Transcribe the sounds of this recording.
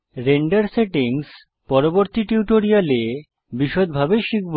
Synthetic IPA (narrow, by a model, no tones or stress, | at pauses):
ɾeɳɖaɾseʈiŋs | pɔɾoboɾt̪iʈuʈoɾiale | biʃod̪̚bʱabeʃik̚b